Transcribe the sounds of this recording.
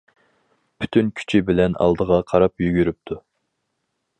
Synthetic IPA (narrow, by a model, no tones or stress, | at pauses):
pʰy̥t̪ʰynkʲʰy̥t͡ʃʰibɪlɛnʔɑ̰lˠd̪əʁɑqʰɑɾɑpjyɡʲyɾyp̚t̪ʰu